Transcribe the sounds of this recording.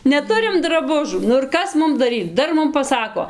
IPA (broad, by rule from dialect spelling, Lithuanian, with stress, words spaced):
nʲɛˈtʊrʲɪm drɐˈbʊʒuː nʊ ɪr ˈkɐs ˈmʊm dɐˈrʲiːt͡s ˈdɐr ˈmʊm pɐˈsɑːkoː